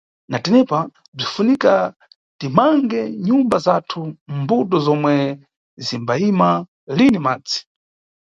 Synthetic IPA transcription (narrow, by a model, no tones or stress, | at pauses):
natɛnɛpa | b͡ʐifunika | timaŋɡɛɲumbazatʰumbuɗɔzɔmwɛ | zimbaima | linimaːd͡zi̥